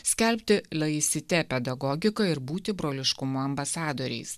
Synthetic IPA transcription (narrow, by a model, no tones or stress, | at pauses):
sʲkʲɛlʲpʲt̪ʲɪlʲˠɐɪsʲɪt̪ʲɛpʲɛd̪ɐɡɔɡʲɪkɐɪɾbuːt̪ʲɪbɾoːlʲɪʃkʊmʊɐmbɐsɑːd̪oːɾʲɛ̰ɪs